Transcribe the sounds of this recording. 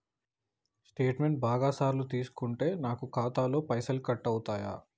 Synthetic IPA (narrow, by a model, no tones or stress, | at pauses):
sʈe̞ːʈmeɳʈ̚baːɡaːsaːɾlut̪iːsu̥kuɳʈe̞ːnaːkukaːt̪aːlo̞ːpɐjsɐlkɐʈːɐwt̪aːja̰ː